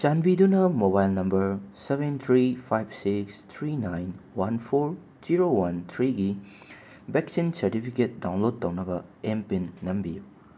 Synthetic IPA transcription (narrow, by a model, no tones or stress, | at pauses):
t͡ʃanbidunɐmobajlnɐmbɐɾsebent̪ʰɾipʰajb̚sikst̪ʰɾinajnwɐnpʰoɾ | d͡ʒiɾowɐnt̪ʰɾiɡi | beksinsɐɾtipʰiket̚dawnlod̚tːɐwnɐbɐempinːɐmbiju